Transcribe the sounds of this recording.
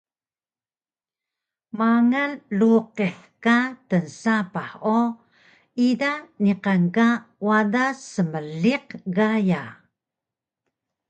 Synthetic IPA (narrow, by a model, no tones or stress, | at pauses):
maŋanluqeħ | katənsapaħo | idaniqaŋkawadasəməɮiqɣaja